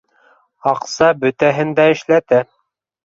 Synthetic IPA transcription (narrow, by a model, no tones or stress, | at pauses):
ɑqsɑbɵ̆t̪æɦɘ̆nd̪æɘ̆ʃlæt̪æ